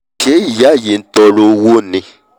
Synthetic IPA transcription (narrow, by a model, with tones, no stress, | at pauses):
kʰe˦˨ja˦ji˨n˦tʼɔ˨lo˦wu˦ni˦